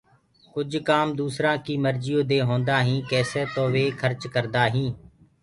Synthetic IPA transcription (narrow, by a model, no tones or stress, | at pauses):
kʊd͡ʒkaːmd̪uːsɾãːkiːməɾd͡ʒɪjõːd̪eːɦõːnd̪aːɦĩːkɛːseːt̪õːʋeːkʰəɾt͡ʃkəɾd̪aːɦĩː